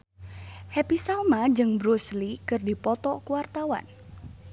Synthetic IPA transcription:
hɛpisalmad͡ʒɨŋbɾuslikɨrdipɔt̪ɔkuwart̪awa̰n

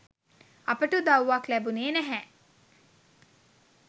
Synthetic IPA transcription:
ɐpəʈud̪awʋaklæbuneːnæɦæ

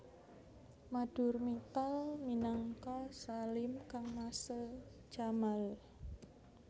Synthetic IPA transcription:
maɖ̥ʊ̤rmit̪alminaŋkasalɪmkaŋmasə̥d͡ʒ̥amal

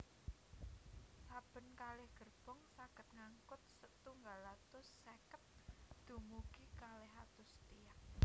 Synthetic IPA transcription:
sab̥ə̤nkalɪhɡ̥ə̤rb̥ɔ̤ŋsaɡ̥ə̤t̪̚ŋaŋkʊt̪̚sət̪uŋɡalat̪ʊsːekət̪̚d̪̥ṳmuɡ̥ikalɪɦat̪ʊst̪ijak̚

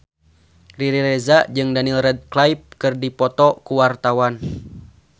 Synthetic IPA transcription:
riɾiɾɛzad͡ʒɨŋdanilrɛd̚klajp̚kɨrdipɔt̪ɔkuwart̪awan

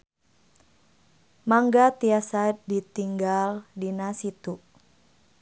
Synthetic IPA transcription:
maŋɡat̪iasadit̪iŋɡaldinasit̪u

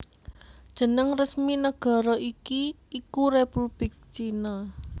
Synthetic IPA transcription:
d̥ʒ̥ə̤nəŋrəsminəɡ̥a̤ɾɔʔikiː | kurepub̥lɪk̚t͡ʃina

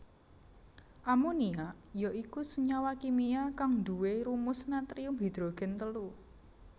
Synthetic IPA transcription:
ʔamunia | jɔʔikusəɲawakimiakaŋd̪uweɾumʊsnat̪ɾiumbi̤d̪̥ɾo̤ɡ̥ɛ̤nt̪əlu

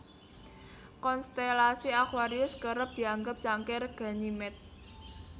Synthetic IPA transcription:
kɔnst̪elasiakwaɾiʊskəɾəp̚d̪̥i̤aŋɡəp̚t͡ʃaŋkɛrɡ̥a̤nimɛt̪̚

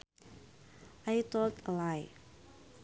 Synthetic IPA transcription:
ʔajt̪ɔlt̪əlaj

